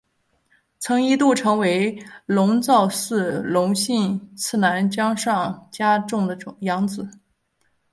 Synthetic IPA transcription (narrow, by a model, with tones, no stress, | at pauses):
t͡sʰɤ˧˥ŋi˥t̪u˥˩ʈ͡ʂʰɤ˧˥ŋwe˧˥ɪlʊ˧˥ŋt͡sɑ˥˧ʊsɹ̩˥˩lʊ˧˥ŋɕi˥˧nt͡sʰɹ̩˥˩na˧˥nt͡ɕjɑ˥ŋʂɑ˥˩ŋt͡ɕja˥ʈ͡ʂʊ˥˩ŋd̪ə˩ʈ͡ʂʊ˨˩ŋjɑ˧˥ŋd͡zɹ̩˨˩˦